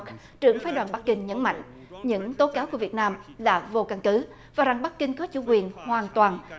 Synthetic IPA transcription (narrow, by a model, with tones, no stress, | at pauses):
k | t͡ɕɨ˧˩əŋfaː˨˦jɗwaː˨˩nɓa˦˥k̚ːï˧ŋ̟ɲə˨˦nma̰˧˨jŋ̟ | ɲɨ̰˧˥ŋt̪o˨˦kaː˨˦wku˧˩əvi˨˩ət̚naː˧mla̰ː˨˩vo˧ka˧ŋkɨ˨˦ | vaː˨˩za˨˩ŋɓa˦˥k̚kï˧ŋ̟kɔ˨˦t͡ɕṵ˧˩kwi˨˩ənhwaː˨˩nt̪waː˨˩n